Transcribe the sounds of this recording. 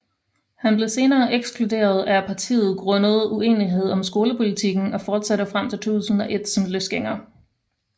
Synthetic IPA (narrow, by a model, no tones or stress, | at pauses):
hænb̥le̝se̝ːnɐːʔeɡ̥skʰlud̥e̝̰ːɐð̞ˠæpʰɑ̈t͡sʰḭːð̞̩ˠɡ̥ʁɔ̽nəð̞̩ˠue̝̰ːniɦe̝ð̞̰ˠɒ̽msɡ̥o̝ːləpʰo̝lit͡sʰiɡ̥n̩ɒ̽fɒːd̥sæɾəfʁam̰t͡sʰe̝t͡sʰṵːsn̩ɒ̽ʔe̝d̥sɒ̽mløsɡ̥eŋ̰ɐ